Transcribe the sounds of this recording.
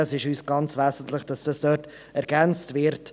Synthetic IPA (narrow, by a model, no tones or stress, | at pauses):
əsɪʃyːsɡ̥ɑnt͡sʋæːsən̩tləχd̥ɑsd̥ɑsd̥œːt | ɛɾɡ̥ænt͡stvɪɾt